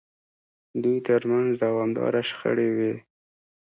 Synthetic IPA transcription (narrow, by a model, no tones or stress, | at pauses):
d̪ujt̪əɾmanzd̪awɑmd̪ɑ̰ɾaʃxə̰ɽewe